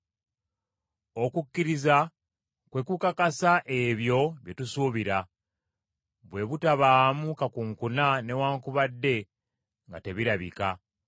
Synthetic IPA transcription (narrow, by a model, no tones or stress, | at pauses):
o̞kukːiɾiza | kwe̞kukakasaʔeβjo̞βjetusuβiɾa | βwe̞βutaβaːmukakuŋkunane̞waːŋkuβadːe̞ | ŋɡa̰te̞βiɾaβḭka